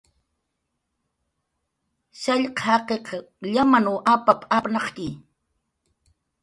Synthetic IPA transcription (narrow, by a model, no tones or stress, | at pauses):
ʃaʎqhɑqeqɑ | ʎamanuʔapapapnɑχt̪i